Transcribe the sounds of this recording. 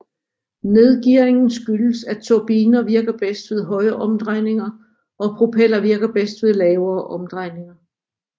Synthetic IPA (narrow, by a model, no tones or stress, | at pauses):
ne̝ð̞ˠɡ̥iɐ̰e̝ŋn̩sɡ̥ylsæt͡sʰob̥iːnɐʋiɐɡ̥ɐb̥esd̥ʋe̝ðˠɦɒ̽ɪɐʔɒ̽md̥ʁɑɪ̰ne̝ŋɐ | ʔɒ̽pʰʁopʰel̰ɐʋiɐɡ̥ɐb̥esd̥ʋe̝ð̞ˠlɛːʊɐːʔɒ̽md̥ʁɑ̈ɪne̝ŋɐ